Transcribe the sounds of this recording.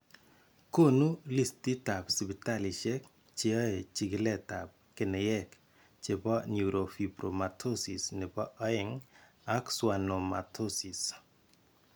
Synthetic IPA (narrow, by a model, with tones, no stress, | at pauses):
ko˦nu˦li˦sti˦ta˨psi˨bi˨ta˦li˨t͡ʃɛ˦k | t͡ʃe˦ɔ˦e˨t͡ʃi˨kɪ˦lɛ˦ta˨p̚kɪ˨nɛ˨jɛ˦k | t͡ʃe˨pɔ˦nju˨ɾʔo˨fi˨bɾo˨ma˨tʰo˦si˨sne˨pɔ˦ʔɔ˦ɪ˨ŋ | a˦kswa˨no˨ma̰˨tʰo˦si˨s